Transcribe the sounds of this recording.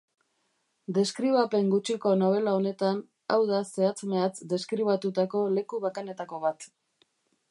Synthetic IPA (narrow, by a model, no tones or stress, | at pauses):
d̪e̞skɾiβ̞ape̞ŋɡut͡ʃiko̞no̞β̞e̞lao̞ne̞t̪an | a̰wðase̞at͡sme̞at͡sd̪e̞skɾiβat̪ut̪ako̞le̞kuβakane̞t̪ako̞βat̪